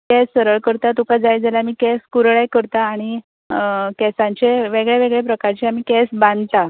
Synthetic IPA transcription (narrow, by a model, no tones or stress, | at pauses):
kɛsːəɾəɭkəɾt̪at̪ukad͡zajd͡zalamiːkɛskuɾɭekəɾt̪aːɽ̃i | kɛsãɲt͡ɕeʋeɡɭeʋeɡɭepɾəkaɾt͡ɕiamiːkɛsbãnd̪ʱt̪a